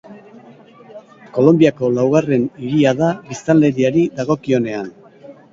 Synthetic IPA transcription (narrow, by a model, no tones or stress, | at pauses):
ko̞lo̞mbiako̞lawɣare̞niɾiaðaβist̪ale̞ɾiaɾid̪aɣo̞kio̞ne̞an